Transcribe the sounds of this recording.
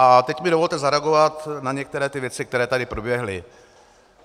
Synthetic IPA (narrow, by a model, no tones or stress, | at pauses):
ʔat̪ɛcmɪdovo̞lt̪ɛzaɾɛaɡo̞vat̪naɲɛk̚t̪ɛɾɛːt̪ɪvjɛt͡sɪk̚t̪ɛɾɛːt̪adɪpɾobjɛɦlɪ